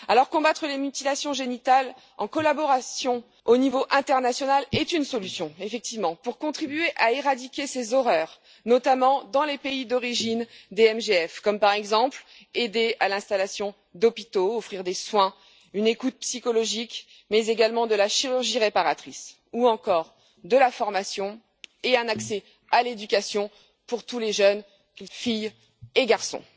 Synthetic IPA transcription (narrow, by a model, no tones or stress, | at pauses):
alɔʁkɔ̃bat̪χəlemyt̪ilasjɔ̃ʒenit̪al | ɑ̃kɔlabɔʁasjɔ̃ | onivoʔɛ̃t̪ɛʁnasjɔnalɛt̪ynsɔlysjɔ̃efɛk̚t̪ivmɑ̃puʁkɔ̃t̪χibyeʔaeʁad̪ikʲesezɔʁœːʁ | nɔt̪amɑ̃d̪ɑ̃lepeid̪ɔʁiʒind̪eɛmʒeɛfkɔmpaʁɛɡzɑ̃pl | ed̪ealɛ̃st̪alasjɔ̃ | d̪ɔpit̪oɔfχiʁd̪eswɛ̃ | ynekut̪̚psikɔlɔʒik | mɛzeɡalmɑ̃d̪əlaʃiʁyʁʒiʁepaʁat̪χis | uɑ̃kɔʁ | d̪əlafɔʁmasjɔ̃ | eɛ̃naksɛ | aled̪ykʲasjɔ̃ | puʁt̪uleʒœn | fij | eɡaʁsɔ̰̃